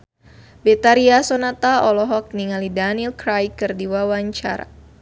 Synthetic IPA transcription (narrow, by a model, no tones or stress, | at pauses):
bɛt̪aɾiasɔnat̪aɔlɔɦɔk̚niŋalidanilkɾajkɨrdiwawaɲt͡ʃa̰ɾa̰